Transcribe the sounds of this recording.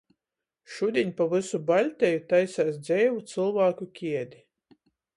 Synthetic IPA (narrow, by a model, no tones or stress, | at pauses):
ʃud̪ʲiɲʲpavɨsubalʲt̪ʲɛjut̪ajsaːsd̪zʲɛjvut̪sɨlˠvaːkukʲiɛd̪ʲi